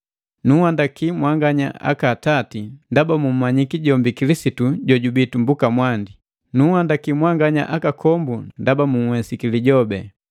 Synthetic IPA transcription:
nuwandakimwaŋɡaɲa̰a̰katatindabamum̩maɲikiɟɔmbikilisituɟɔɟubitumbukamwandi | nuhandakimwaŋɡaɲa̰ʔakakʰɔmbundabamuŋ̩hwɛsikiliɟɔbɛ

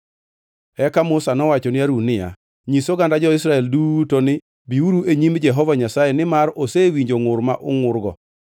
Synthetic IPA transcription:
ɛkamʊsanɔwat͡ʃɔnɪaɾunɪja̰ | ɲisoɡandad͡ʒɔɪsɾaɛlduːtonɪ | biuɾuʔeɲimd͡ʒɛɦɔvaɲasajenɪmaɾosewiɲd͡ʒoŋʊɾmaʔʊŋʊrɡɔ̰

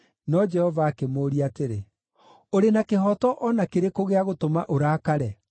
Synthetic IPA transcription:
nɔd͡ʒɛhɔvaːkemoːɾiateɾe | oɾenakeɦɔtɔʔɔnakeɾekoɣeaɣotomaʔoɾaːkaɾɛ

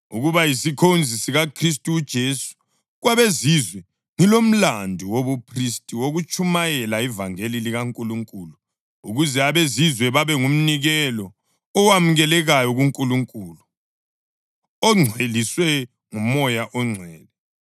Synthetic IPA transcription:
uɣuβajisikʰond͡zʱisiɣakʰris̬tʼuːd̥ʒ̥ʱesu̥ | ɣwaβezizwɛ | ŋilom̩landʱuwoβupʰristʼiwoɣut͡ʃʼumajɛlaivaŋeliliɣaŋkʼuluŋkʼuːlu | uɣuzɛaβezizwɛβaβɛŋum̩niɣɛlɔː | wamuɣɛlɛɣajɔɣuŋkʼuluŋkʼuːlu | ɔŋ͡ǀʱweliswɛ | ŋumɔjaʔɔŋ͡ǀʱwɛːðɛ

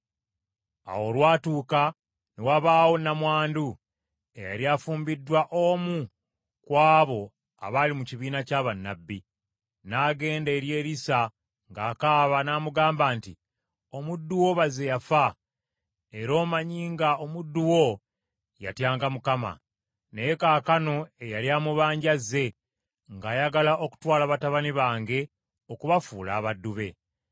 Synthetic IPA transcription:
a̰wo̞lwaːtuːka | newaβaːwo̞namwaːndu | e̞̰ja̰ɾjaːfuːmbidːwaʔo̞ːmu | kwaːβo̞ | a̰βalimuciβiːnacaːβanːabːi | naːɡe̞ːndeːɾje̞ːɾisa | ŋɡaːkaːβanaːmuɡaːmbaːnti | o̞mudːuwo̞βaze̞jafa | e̞ɾo̞ːmaɲiːŋɡao̞mudːuwo̞ | ja̰tjaːŋɡamukama̰ | ne̞jekaːkano̞e̞jaljaːmuβaːɲɟazːe̞ | ŋɡaːjaɡalaʔo̞ku̥twaːlaβataβaniβaːŋɡe̞ | o̞kuβafuːla̰ːβadːuβe̞

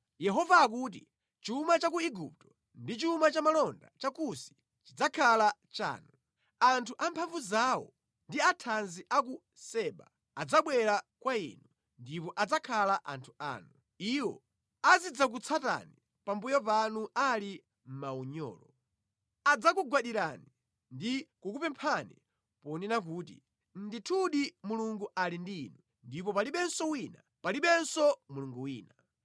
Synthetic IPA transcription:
jɛɦɔvaːk̬ut̬i | t͡ʃuːmat͡ʃakuiɡup̚tɔ | ndit͡ʃiumat͡ʃamalɔnda̰t͡ʃakusi̥ | t͡ʃid͡zakʰalat͡ʃa̰ːnu | antʰuʔampʰaɱvuzawɔ̰ | ndiatʰanziʔak̬u | sɛːɓa̰ | ad͡zaɓwɛɾakwaḭːnu | ndipɔʔad͡zakʰalaʔa̰ntʰu̥a̰ːnu | iwɔ̰ | azid͡zak̬ut͡sʰata̰ni | pambujɔpanuʔali | m̩mauɲɔ̰ːlɔ | ad͡zakuɡwaɗiɾani | ndikukupɛmpʰani | pɔninak̬uːtḭ | n̩ditʰuɗimuluŋɡuʔalindinu | ndipɔpaliɓɛnsɔwina | paliɓɛnsɔmuluŋɡuwiːna

